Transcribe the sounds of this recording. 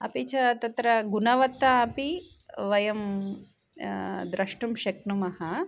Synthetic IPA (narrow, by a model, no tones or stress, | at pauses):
ɐ̰pit͡ʃɐt̪ɐt̪ɾɐɡunɐʋɐt̪ːɐːpi | ʋɐjɐm | d̪ɾɐʂʈumʃɐknumɐhɐ